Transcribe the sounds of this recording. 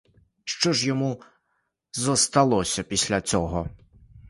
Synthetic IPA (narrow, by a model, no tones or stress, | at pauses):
ʃt͡ʃɔʒjɔmu | zɔst̪ɐlˠɔsʲɐpʲisʲlʲɐt͡sʲɔɦɔ